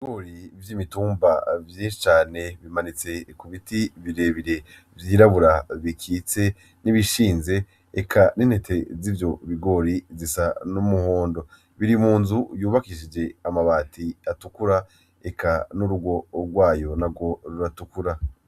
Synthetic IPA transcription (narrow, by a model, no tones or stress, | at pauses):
iiɡoɾivjimituːmbavjeːnʃi̥t͡ʃaːne̞βimanit͡se̞kuβitiβiɾe̞βiɾe̞ | vjiːɾaβuɾaβikʰiːt͡se̞ | niβiʃiːnze̞ | ḛkʰaninhe̞te̞zivjo̞βiɡo̞ɾizisanumuhoːndo̞ | βiɾimuːnzujuːβakiʃid͡ʒe̞amaβaːtʰiatukuɾa | ekʰanuɾuɡo̞ɾɡwaːjo̞nabɡo̞ɾuɾatukuɾa